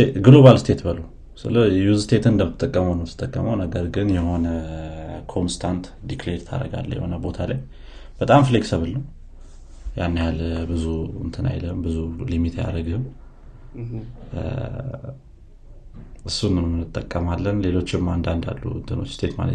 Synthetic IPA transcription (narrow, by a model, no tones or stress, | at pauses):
eɡlo̞βalst̪ʰe̞t̪bəlo | sɨ̰ləjuzst̪ʰe̞t̪ɨnd̪əmɨt̪ɨt̪ʼːəkʼːəməwnəmt̪ʰɨ̥t̪ʼːəkʼːəməwnəɡəɾɡɨnjɛho̞nəkʰo̞nst̪ʰant̪d̪ikleɾt̪ʰa̰ɾə̰ɡa̰lːə̰jɛho̞nəbo̞t̪ʰalaj | b̥ət̪ʼamfleksɨβɨlːəw | ja̰nːihalbɨzuɨ̰nt̪ʰɨna̰jləhɨmbɨzulimit̪ʰja̰ɾəɡɨhɨm | ɨsunɨnmːɨnɨt̪ʼːəkʼːəmalːənle̞lo̞t͡ʃːɪmand̪and̪a̰lːṵd̪ɨno̞̰t͡ʃːst̪ʰe̞t̪ma̰lə̰